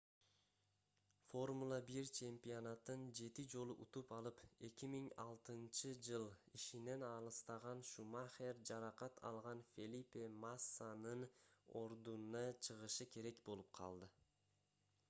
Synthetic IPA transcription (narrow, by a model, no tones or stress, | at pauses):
fo̞rmulˠɑbiɾt͡ʃʰe̞mpʲionat̪ːɯnd͡ʒe̞t̪id͡ʒo̞lˠuʔut̪upɑlˠɯpe̞kimiŋɑlˠt̪ɯnt͡ʃɯd͡ʒɯlˠiʃine̞nɑlˠɯst̪ɑʁɑnʃumaχeɾd͡ʒɑɾɑqɑt̪ʰɑ̰lˠʁɑnfʲelʲipʲemasːanɯno̞ɾd̪unɑt͡ʃʰɯʁɯʃɯkʰe̞ɾe̞kbo̞lˠup̚qʰɑ̰lˠd̪ɯ